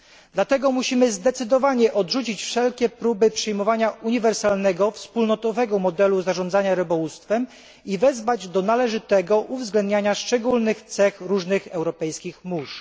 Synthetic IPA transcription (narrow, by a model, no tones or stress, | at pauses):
d̪lat̪ɛɡɔmuɕimɘzd̪ɛt̪sɘd̪ɔvaɲɛʔɔd̪ʐut͡ɕit͡ɕfʂɛlkʲɛpɾubɘpʂɘjmɔvaɲauɲivɛɾsalnɛɡɔfspulnɔt̪ɔvɛɡɔmɔd̪ɛluzaʐɔnzaɲaɾɘbɔwust̪fɛm | ivɛzvad͡ʑd̪ɔnalɛʐɘt̪ɛɡɔʔuvzɡlɛnd̪ɲaɲaʂt͡ʂɛɡulnɘxt̪sɛxɾuʐnɘxɛwɾɔpɛjskʲixmuʂ